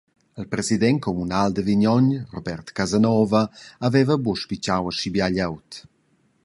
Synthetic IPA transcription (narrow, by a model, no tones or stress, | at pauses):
əlpɾezid̪ɛnkʰɔmunald̪əviɲɔɲrɔbɛrt̪kazanɔːvəavɛvəbuʃpit͡ʃawəʃibjaʎawt̪